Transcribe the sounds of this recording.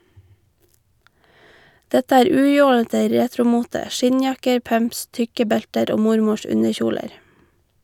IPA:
ˈdɛtə ˈæːɾ ˈʉːˌjoːlətə ˈɾeːtɾʊˌmuːtə ˈʃɪɲˌjɑkəɾ ˈpœmps ˈtʏkə ˈbɛltəɾ ˈoː ˈmʊɾmʊʃ ˈʉnəˌçuːləɾ

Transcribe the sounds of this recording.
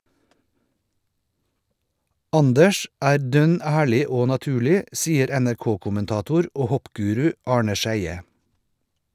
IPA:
ˈɑndəʃ ˈæːɾ ˈdœn ˈæːɭɪ ˈoː nɑˈtʉːɭɪ ˈsiːəɾ ænæɾˈkoːkʊmənˌtɑːtʊɾ ˈoː ˈhɔpˌɡʉːɾʉ ˈɑːɳə ˈʃæɪə

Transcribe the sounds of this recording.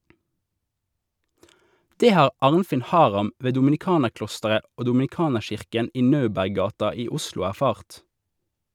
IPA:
ˈdeː ˈhɑːʁ ˈɑːʁnfɪn ˈhɑːʁɑm ˈʋeː dʊmn̩ɪˈkɑːnəʁˌklɔstəʁə ˈoː dʊmn̩ɪˈkɑːnəʁˌʃɪʁkən ˈiː ˈnɑʉbæʁˌɡɑːtɑ ˈiː ˈʊslʊ æʁˈfɑːʁt

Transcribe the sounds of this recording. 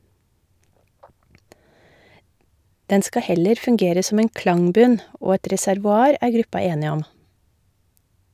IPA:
ˈdɛn ˈskɑ ˈhɛləɾ fʉŋˈɡeːɾə ˈsɔm ˈeːn ˈklɑŋˌbʉn ˈoː ˈɛʈ ɾɛsæɾʋʊˈɑːɾ ˈæːɾ ˈɡɾʉpɑ ˈeːnɪ ˈɔm

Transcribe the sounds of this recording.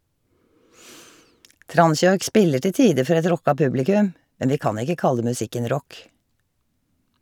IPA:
ˈtɾɑnˌsjɔʏk ˈspɪlə ˈʈɪ ˈtiːə ˈfɔɾ ˈɛt ˈɾɔkɑ ˈpʉblɪkʉm ˈmɛn ˈʋiː ˈkɑːn ˈɪkə ˈkɑlə mʉˈsɪkən ˈɾɔk

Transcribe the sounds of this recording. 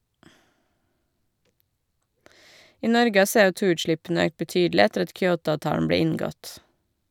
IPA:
ˈiː ˈnɔɾɡə ˈɑː ˌseːɔˈtuːʉːtˌʃlɪpn̩ə ˈøːkt bəˈtyːdl̩ɪ ˈætəɾ ˈɑt ˈkjoːˌtɑːʋˌtɑːɳ̩ ˈbɽeː ˈɪŋˌɡɔt

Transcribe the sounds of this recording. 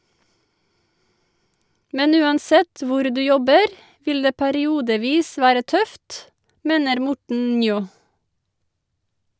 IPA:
ˈmɛn ˈʉːɑnˌsɛt ˈʋʊɾ ˈdʉː ˈjɔbəɾ ˈʋɪl ˈdeː pæɾɪˈuːdəˌʋiːs ˈʋæːɾə ˈtœft ˈmeːnəɾ ˈmʊʈɳ̩ ˈnjoː

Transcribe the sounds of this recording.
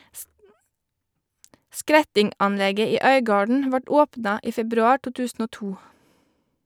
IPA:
ˈskɾɛtɪŋˌʔɑnˌlɛɡə ˈiː ˈœʏɡɑːɖɳ̩ ˈʋɑʈ ˈoːpnɑ ˈʔiː ˈfɛbɾʉɑː ˈʈuː ˈtʉːsn̩ ˈoː ˈtuː

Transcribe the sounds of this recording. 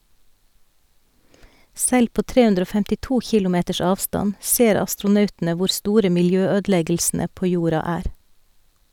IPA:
ˈsɛl ˈpoː ˈtɾeː ˈʉndɾ ˈoː fɛmtɪˈtuː ˈçɪlʊˌmeːtəʃ ˈɑːʋstɑn ˈseːɾ ɑstɾʊˈnœʉtn̩ə ˈʋʊɾ ˈstuːɾə mɪlˈjøːˌøːdl̩ˌɛɡl̩sn̩ə ˈpoː ˈjuːɾɑ ˈæːɾ

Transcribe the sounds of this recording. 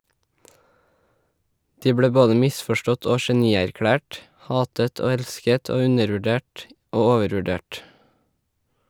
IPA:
ˈdiː ˈbɽeː ˈboːdə ˈmɪsfɔˌʃʈɔt ˈoː ʃɛˈniːæɾˌkɽæːʈ ˈhɑːtət ˈoː ˈɛlskət ˈoː ˈʉnəɾʋʉˌɖeːʈ ˈoː ˈoːʋəɾʋʉˌɖeːʈ

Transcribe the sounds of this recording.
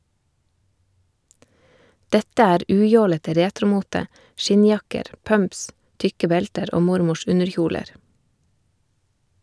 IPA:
ˈdɛtə ˈæːɾ ˈʉːˌjoːlətə ˈɾeːtɾʊˌmuːtə ˈʃɪnˌjɑkəɾ ˈpœmps ˈtʏkə ˈbɛltəɾ ˈoː ˈmʊɾmʊʃ ˈʉnəɾˌçuːləɾ

